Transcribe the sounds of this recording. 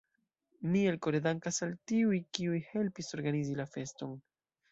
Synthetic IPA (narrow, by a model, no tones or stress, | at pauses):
mielko̞ɾedaŋkasaltiujkiujhe̞lpiso̞ɾɡanizilafe̞sto̞n